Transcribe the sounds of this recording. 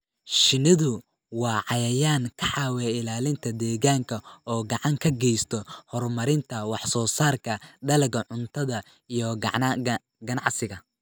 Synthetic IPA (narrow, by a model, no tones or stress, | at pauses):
ʃɪnɪðʊ | wɑːʕɑjɐjaːŋkʰɐħɑːwɛːɪlaːlɪnt̪ʰɐd̪ɛːɣaːŋkʰɐɔːɡɐʕɑŋkʰɐɡɛjst̪ʰɔhɔrmɐɾɪnt̪ʰɐwɑħsɔːsaːrkʰɐɖɐlɐɡɐʕʊnt̪ʰɐðɐ | ijɔɡ | ɡɐnɑʕsɪɣɐ